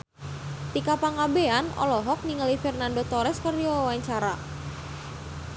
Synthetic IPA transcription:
t̪ikapaŋabeanɔ̰lɔɦɔk̚niŋəlifɛrnandot̪oɾɛskərijɔwaɲt͡ʃaɾa

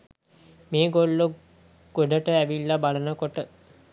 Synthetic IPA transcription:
meːɡolːu | ɡ̥oɖəʈəæʋilːabalənəkoʈə

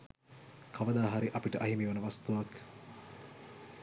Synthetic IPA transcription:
kʰaʋəd̪aːɦaɾiʔɐpiʈəʔɐɦimiʋɐnəʋast̪uʋak

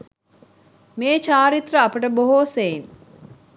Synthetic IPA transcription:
meːt͡ʃaːɾit̪rəɐpəʈəboɦoːsein

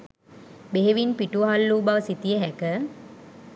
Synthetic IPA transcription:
beɦeʋinpiʈuʋəɦalːuːbaʋəsit̪ijəɦækə

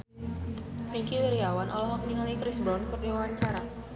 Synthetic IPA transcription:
miŋkiwiɾiawanʔɔ̰lɔɦɔkməniŋalikɾisbɾɔnkərdiwaɦaɲt͡ʃaɾa

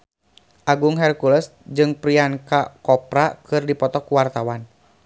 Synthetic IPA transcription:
ʔaɡuŋɦɛrkuləsd͡ʒɨŋpɾiaŋkakɔpɾakɨrdipɔt̪ɔkuwart̪awan

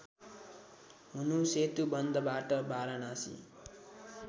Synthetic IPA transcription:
munuset̪ubʌnd̪ʱʌbaːʈʌbaːɾanasḭ

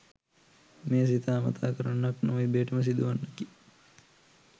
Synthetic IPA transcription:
meːs̬it̪ʰaːmɐ̰t̪ʰa̰ːkəɾanːaknoʋibeːʈəməs̬id̪uʋanːəki

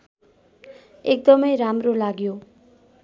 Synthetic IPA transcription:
ek̚d̪ʌmʌjɾamɾolaɡjo

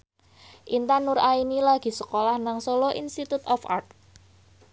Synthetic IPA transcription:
ʔint̪anʊɾainilaɡ̥i̤səkolahnaŋsolɔʔinst̪it̪ut̪ɔfa̰rt̪̚

